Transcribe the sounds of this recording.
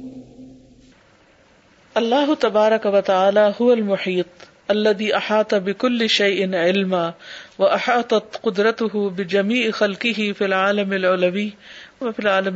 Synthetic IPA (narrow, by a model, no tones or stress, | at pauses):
ʔɐlːaːɦʊt̪ɐbaːɾˤɐkawɐt̪aʕaːlaːɦʊwɐlmʊħiːt̪̚ˤ | ʔɐlːɐðiːʔaħɑːt̪ˤɑbɪkʊlːɪʃajʔɪnʕɪlmaːwɐʔaħɑːt̪ˤɑt̪qʊd̪ɾɐt̪ʊɦʊbɪd͡ʒɐmiːʕxalqɪɦɪfilʕaːlɐmɪlʕʊlawiːwɐfɪlʕaːlɐm